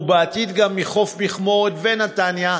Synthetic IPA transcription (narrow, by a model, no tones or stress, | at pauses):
beat̪id̪ɡamːiχo̞fbiχmod̪venat̪anja